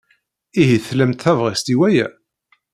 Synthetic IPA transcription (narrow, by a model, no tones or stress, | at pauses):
iɦiθlæmt̪θævʁist̪iwæjæ̰